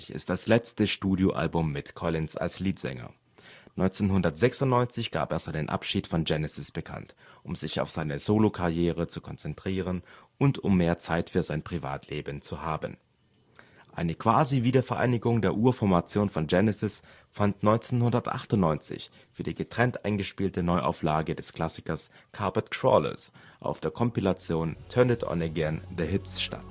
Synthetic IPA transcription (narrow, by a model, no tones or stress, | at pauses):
çɪ̰st̚d̥aslɛt͡stəʃtuːdjoʔa̰lbʊmːɪtkʰɔlɪnsa̰lsliːtz̥ɛ̰ŋɐ̰ | nɔʏnt͡senɦʊndɐtz̥ɛksʊntnɔʏnt͡sɪçɡ̥a̰ːpḛːszaɪnənʔa̰pʃiːtfɔnd͡ʒɛnɛsɪsb̥əkʰa̰ntʔʊmzɪça̰ʊfz̥aɪnəzoːlokʰaʁjeːʁ̞ət͡sukʰɔnt͡sɛntʁ̥iːʁənʔʊntʊmːeːɐt͡saɪtfyːɐzaɪnpʁ̥iva̰ːtʰleːbənt͡suhaːbən | ʔaɪnəkv̥aːziviːdɐfɛɐʔa̰ɪnɪɡʊŋdeːɐʔuːɐfɔɐmat͡sjoːnfɔnd͡ʒɛnɛsɪs | fantnɔʏnt͡senhʊndɐtʔa̰χtʊntnːɔʏnt͡sɪ̰ç | fyːɐdiːɡətʁ̥ɛntʔaɪnɡəʃpiːltənɔʏʔa̰ʊflaːɡədɛskʰl̥asɪ̥kɐskʰaɐpatkʰʁ̥ɔ̰lə̰sʔa̰ʊfd̥eːɐkʰɔmpilat͡sjoːntʰœnətɔ̰nɛɡɛndəɦɪtsʃta̰t